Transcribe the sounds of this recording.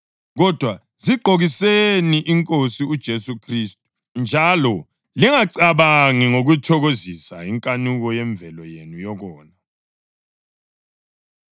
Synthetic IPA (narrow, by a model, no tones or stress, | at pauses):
ɣɔd̥ʱwa | ziɡ͡ǃʱoɣiseniʔiŋkʼosiud̥ʒ̥ʱesukʰristʼu̥ | nd͡ʒʱalɔ | liŋaǀaβaŋiŋoɣutʰɔɣozisaiŋkʼanuɣɔjɛɱb̪vʱɛlɔjenujɔɣɔːna